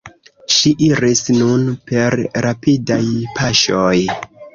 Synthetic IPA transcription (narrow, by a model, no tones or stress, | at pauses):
ʃiʔiɾisnunpe̞ɾɾapidajpʰaʃoj